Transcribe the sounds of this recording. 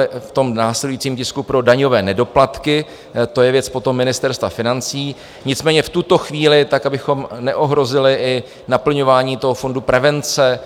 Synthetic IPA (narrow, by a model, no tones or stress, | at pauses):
ɪft̪o̞mnaːsɛdujit͡siːmcɪskupɾo̞daɲo̞vɛːnɛdo̞plat̪kɪ | t̪o̞jɛvjɛt͡spo̞t̪o̞mːɪnɪst̪ɛɾst̪vafɪnant͡siː | ɲɪt͡smɛːɲɛft̪ut̪o̞xviːlɪt̪akabɪxo̞mnɛʔo̞ɦɾo̞zɪlɪɪ | napl̩ɲo̞vaːɲiːt̪o̞ɦofo̞ndupɾɛvɛnt͡sɛ